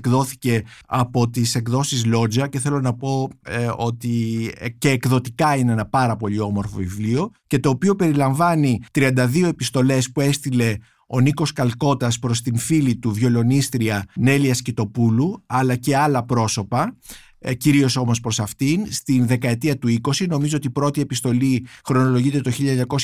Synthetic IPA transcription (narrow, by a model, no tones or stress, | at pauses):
kðo̞θice̞ɐpo̞t̪isekðo̞sizlo̞zɐceθe̞lo̞nɐpo̞o̞t̪ice̞ːkðo̞t̪ikɐineenɐpɐɾɐpo̞lio̞mo̞ɾfo̞̰vivlio̞ce̞t̪o̞ːpio̞pe̞ɾilɐɱvɐnit̪ɾiɐnd̪ɐðio̞e̞pist̪o̞le̞spue̞st̪ile̞ | o̞niko̞skɐlko̞t̪ɐspɾo̞st̪infilit̪uvjo̞lo̞nist̪ɾiɐne̞liɐscit̪o̞puluɐlɐce̞ɐlɐpɾo̞so̞pɐ | ciɾio̞so̞mo̞spɾo̞sɐft̪inst̪inðe̞kɐe̞t̪iɐt̪uiko̞sino̞mizo̞o̞t̪ipɾo̞t̪ie̞pist̪o̞lixɾo̞no̞lo̞ʝit̪e̞t̪o̞çiʎɐeɲɐko̞s